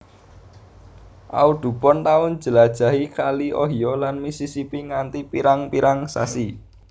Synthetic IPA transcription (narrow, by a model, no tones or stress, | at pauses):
ʔa̰ud̪̥ṳpɔnt̪aʊn̥d͡ʒ̥ə̤lad̥ʒ̥a̤ɦikaliʔɔ̰ɦiɔlanmisisipiŋant̪ipiɾaŋpiɾaŋsa̰si